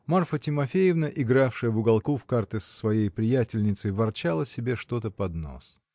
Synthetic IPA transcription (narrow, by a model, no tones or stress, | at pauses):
marfətʲɪmɐfʲejɪvnəʔɪɡɾafʂɨjəvʊɡɐlˠkufkart̪ɨsə̥svɐjejpɾʲɪjætʲɪlʲnʲɪt̪səjvɐrt͡ɕalˠəsʲɪbʲe̞ʂt̪o̞t̪əpɐd̪no̞̰s